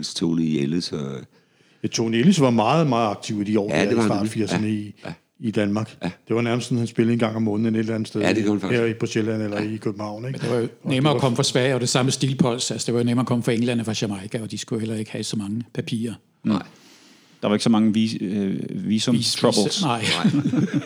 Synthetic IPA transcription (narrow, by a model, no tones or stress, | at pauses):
nst͡sʰo̰ːlieləsɒ | t͡sʰo̝̰ːnelisʋɑ̈mɑ̈ːð̩ˠmɑ̈ːð̩ˠɑ̈ɡ̥̚t͡sʰiʊid̥iɒ̰ːdɑ̰̈ːd̥fiɐ̰sənəi | id̥ænmɑ̈ːɡ̥d̥e̝ʋɑ̈næɐməsdsɔnhænsb̥e̝l̩ˠenɡ̥ɑ̈ŋ̰ɒ̽mːɔ̽ːnð̩ene̝delænð̩ˠsd̥eðˠheɐib̥ʁuɕelæn̰elɐikʰøb̥m̩hɑ̈ʊ̰neɡn̥d̥eʋɑjo̝nemɐɒkʰɒ̽m̰əfʁɑ̈sʋɛɪɒd̥e̝sɑ̈məsd̥iːlpʰɒ̽l̰sælsɒ̥d̥e̝ʋɑjo̝nemɐːkʰɒ̽mfʁɑ̈eŋlæn̰əfʁɑ̈ɕæmɑɪkʰæɒ̽d̥isɡ̥ujhel̰ɐe̝ɡ̥ə̥hæsɒ̽mɑ̈ŋəpʰæpʰḭːɐ | d̥ɑ̈ʋɑ̈e̝̥əsɒ̽mɑ̈ŋə | ʋiːsoʁɒb̩snɑ̈ɪ̰